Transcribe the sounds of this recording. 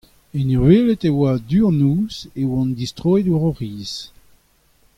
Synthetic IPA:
eniʁɥelet̪ewad̪yːɑ̃nuːzewɑ̃nd̪istʁoːeduʁɔʁiːz

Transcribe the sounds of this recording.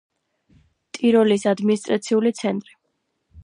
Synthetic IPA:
t̪ʼiɾɔlisad̪minist̪ʼɾat̪sʰiulit̪sʰɛnt̪ʼɾi

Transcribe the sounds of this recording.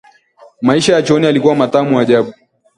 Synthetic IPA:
maiʃajat͡ʃɔnialikuwamataːmuaʄaɓu

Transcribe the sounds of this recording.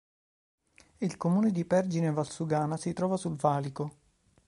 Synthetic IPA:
ilkomuːned̪ipɛrd͡ʒinevalsuɡaːnasit̪ɾɔːvasulvaːliko

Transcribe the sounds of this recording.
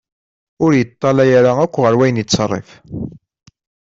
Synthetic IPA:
ʊɾjət̪ˤːɑlæjaɾaækʷːʁəɾwæjənjit͡sːrˤːḛf

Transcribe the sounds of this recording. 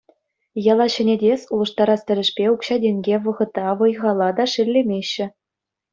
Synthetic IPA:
jɑlˠɑɕɘ̆nʲedʲesʲulˠɤ̆ʂt̪ɑɾɑst̪ʲɘ̆ɾʲɘ̆ʂpʲeukɕɑdʲeŋʲɡʲeʋɤ̆ʁɤ̆t̪ːɑʋɤ̆jʁɑlˠːɑd̪ɑʂɘ̆lʲːemʲeɕːɘ̆

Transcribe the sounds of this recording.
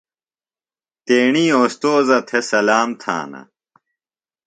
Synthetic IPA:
t̪eːɳiːoːst̪oːzɐt̪ʰesɐlaːmt̪ʰa̰ːnɐ̰

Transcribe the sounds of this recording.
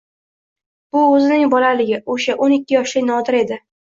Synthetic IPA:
b̥ʊɵzɪnɪŋbɒlalɪɡʲɪʔoʃaʔonɪkʲːɪjɒʃlɪnɒd̪ɪɾe̞d̪ɪ

